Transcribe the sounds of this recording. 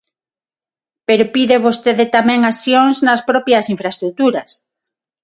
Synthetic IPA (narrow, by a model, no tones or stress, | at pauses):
peɾopiðeβost̪eðet̪amɛ̃ŋasjoŋznaspɾɔpjasiɱfɾaest̪ɾut̪uɾɐs